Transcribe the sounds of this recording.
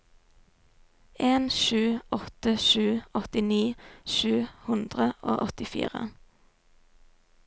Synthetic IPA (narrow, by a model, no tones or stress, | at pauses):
eːnʃʉːʔɔt̪əʃʉːɔt̪ɪniːʃʉːhʉnd̪ʁəʔo̰ːʔɔt̪ɪfḭːʁə̰